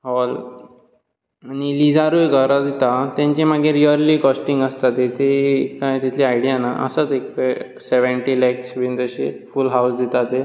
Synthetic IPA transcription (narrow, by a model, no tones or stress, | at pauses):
ɦɔl | añilid͡zaɾujɡʱəɾad̪it̪at̪jãɲt͡ɕimaɡeɾiəɾliːkɔsʈiŋɡəst̪at̪et̪ekat̪it̪ʰliajɽijanaʔə̰sət̪ekpe | seʋəɳʈilɛksbind͡z̪əɕḛfulɦawsd̪it̪at̪e